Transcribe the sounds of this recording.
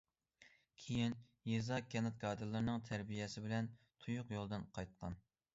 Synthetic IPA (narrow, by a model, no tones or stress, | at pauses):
kʲʰejin | jezɑkʲʰɛnɨt̪̚ɡɑːd̪ɨlˠɨɾnɨŋt̪ʰɛɾbijɛsɪbɪlɛn | t̪ʰujʊqjolˠd̪ɨnqʰɑjt̪̚qʰɑn